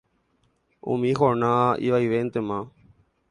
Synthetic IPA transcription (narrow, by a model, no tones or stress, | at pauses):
ṵmixonaːḭʋaiʋent̪emã